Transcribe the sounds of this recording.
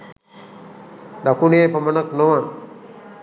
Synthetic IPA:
d̪akuneepamənaknoʋaŋ

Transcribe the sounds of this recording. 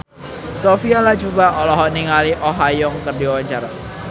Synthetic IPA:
sofialad͡ʒubaɔlɔɦɔniŋaliʔoɦajɔŋkərdiwawaɲt͡ʃaɾa

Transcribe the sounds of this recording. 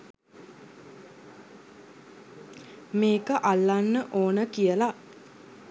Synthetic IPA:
meːkəʔalːanːəʔoːnəkijəla

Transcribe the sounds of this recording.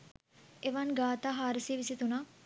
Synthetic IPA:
eʋanɡaːt̪aːɦaːɾəsiːʋisit̪unaː

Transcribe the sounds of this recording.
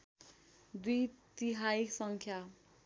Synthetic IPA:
d̪ujt̪iɦaiksʌŋkʰja

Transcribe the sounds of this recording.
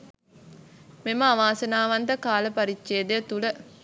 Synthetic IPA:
meməaʋaːsənaːʋant̪əkaːləpaɾit͡ʃːʃeːd̪ejət̪ulə

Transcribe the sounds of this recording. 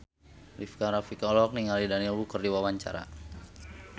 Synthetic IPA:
lifkaɾafikalɔk̚niŋalidanilbukərdiwawaɲt͡ʃa̰ɾa̰

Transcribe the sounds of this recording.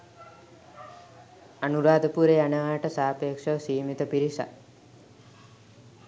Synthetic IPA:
anuɾaːd̪əpuɾejanəʋaːʈəsaːpeːkʂəsiːmit̪əpiɾisa̰

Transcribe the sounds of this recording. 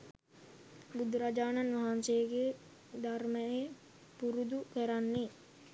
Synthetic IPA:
bud̪ɾad͡ʒaːnanʋaɦansejəɡe | d̪arməje | puɾud̪ukəɾanːe

